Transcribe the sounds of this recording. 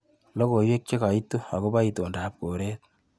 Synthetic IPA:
lɔ˦ko˨jwe˦k̚t͡ʃe˦ka˨itːo˦a̰˨ko˦ba˦ito˨ndap̚ko˨ɾɛ˦t̪̚

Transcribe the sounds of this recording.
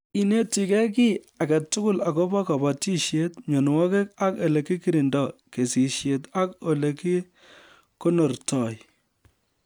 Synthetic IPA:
i˦ne˦ti˨kɛ˦k̬i˦ | a˨ka˨tʊ˦kʊ˦la˨ko˦bɔ˦ka˨ba˨ti˦ʃje˦tɲo˨n˨ŋɔ˦ke˦ka˦ke˨le˨ki˦ki˦ɾi˨ndɔ˨ke˨si˨ʃje˨ta˦ko˨le˨ki˦ | ko˦nɔ˨rtɔ˨j

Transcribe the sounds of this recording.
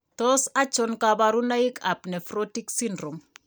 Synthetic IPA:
tɔsa˦t͡ʃɔ˦nkabaɾu˦na˦ika˨pnɛ˨fɾɔti˦ksindɾo˨m

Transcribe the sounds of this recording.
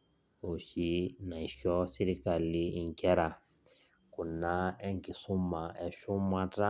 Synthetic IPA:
u˨ʃi˦na˨i˨ʃɔ˦si˦ɾi˦ka˨li˦i˨ŋ˨kɛ˦ɾa˨ | ku˨na˦ɛ˦ŋɡi˨su˦ma˨ɛ˨ʃu˦ma˦ta˦

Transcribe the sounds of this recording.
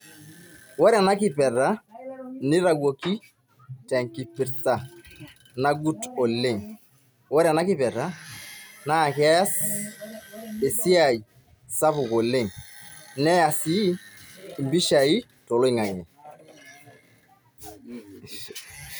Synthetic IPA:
wɔ˦ɾɛ˨na˦ki˦pɛ˨ɾa˦ni˦ɾa˨ɡo˨ki˦ | tɛ˨ŋki˨pi˨ɾta˨ | na˦ɡu˦tɔ˨le˦ŋ | wɔ˦ɾɛ˨na˦ki˦pɛ˨ɾa˦ | na˦˨kɛ˦a˦s | e˨si˦a˨i˨ | sa˦pu˨kɔ˨le˦˨ŋnɛ˦ja˨si˦˨ | mbi˦ʃa˨i˦ | to˨lɔ˦i˦ŋa˨ŋɛ˨

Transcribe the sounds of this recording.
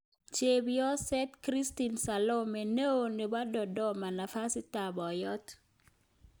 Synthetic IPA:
t͡ʃe˨bjɔ˦sɛ˦t̪kɾi˦sti˨nsa˨lo˦mɛ˨ne˦o˨ne˨ba˦dɔ˨dɔ˦ma˨na˨fa˦si˦ta˨bɔ˨jɔ˦t

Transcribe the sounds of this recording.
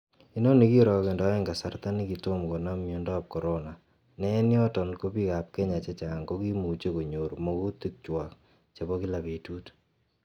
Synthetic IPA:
i˦nɔ˦niki˦ɾɔkendɔɛŋɡa˨sart̪a˦niki˨tomko˨namjondɔ˦ap̚kɔ˨ɾona˨ | nɛ˦njɔ˦tɔ˨nko˦pika˨p̚kɛ˦ɲa˨t͡ʃɛt͡ʃaŋɡoki˦mu˨t͡ʃe˦ko˨ɲoɾmoku˦t̪i˦k̚t͡ʃwak | t͡ʃe˨βɔki˦lape˨tu˦t

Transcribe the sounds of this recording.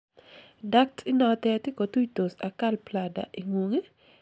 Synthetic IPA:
da˦k̚tʰi˦nɔ˨tɛ˦tɪ˦ko˨tu˦jto˨sa˨ka˦lpla˨da̰˨ʔi˨ŋo˨ŋe˦

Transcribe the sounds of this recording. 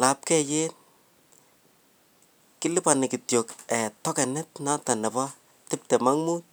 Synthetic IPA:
la˨p̚kɛ˦je˦n | kɪ˦lɪ˦pa˨nɪ˨ki˨tjo˨kɛ˨tɔ˦kɛ˨nɛ˦tna˦ta˨nɛ˨pa˦ | tɪ˦p̚tɛ˨ma˦ŋmu˦t̚

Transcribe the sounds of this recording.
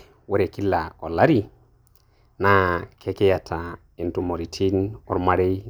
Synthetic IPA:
we˦ɾe˨ki˦lːa˨ɔ̰˨la˦ɾi˦ | na˨kʰe˦kɛ˦ja˨tʰa˨ | i˨ntu˨mo˨ɾi˨tʰi˦nɔ̰˦ɾma˦ɾe˦j

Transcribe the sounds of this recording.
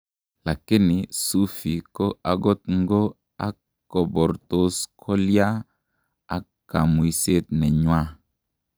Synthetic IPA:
la˨kɪ˦nɪ˨su˦fi˨ko˦a˨ɡɔ˦t̪ŋɡo˦ | a̰˦kː | o˨bɔ˨ɾto˦skʰɔ˦lja˦ | a˨kː | a˨mu˨i˨se˦t̪nɛ˨ɲwa˦

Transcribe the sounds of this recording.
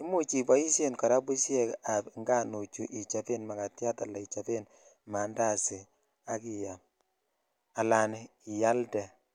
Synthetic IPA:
ɪ˦mu˦t͡ʃi˨bɔ˦i˦sje˦nkɔ˨ɾa˦bu˦sjɛ˦ka˨pŋɡa˦no˨t͡ʃu˨ʔi˨t͡ʃa˨pe˦nma˨ka˨tja˦ta˨la˨i˨t͡ʃa˨fe˦n | ma˨nda˦˨sɪ˨ | a˦ki˨ja˨m | a˨la˨ne˨i˨ja˦ldɛ˨

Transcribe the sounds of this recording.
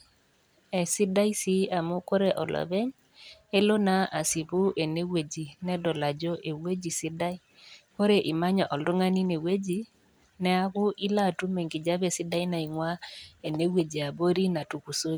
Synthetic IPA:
ɛ˨si˦da˦i˦si˦a˨mu˦ko˦ɾe˦ʔɔ̰˨lʔɔ̰˨be˦ɲ | e˦lo˦na˦ʔa˨si˨bu˦ʔe˨ne˦we˨d͡ʒi˨nɛ˦dɔ˨la˨d͡ʒɔ˦ʔe˨we˦d͡ʒi˨si˦da˦i˦ | ko˦ɾe˨ʔi˨ma˦ɲɔ˨ʔɔ˨lo˦ŋa˦ni˦ne˨we˦d͡ʒi˦ | nɛ˦a˦kʊ˦i˦la˦˨tu˦me˨ŋɡi˨d͡ʒa˦be˦˨si˦da˦i˦na˨i˨ŋwa˦e˨ne˦we˨d͡ʒi˨a˨bo˦ɾi˦na˨tu˨ku˨so˦

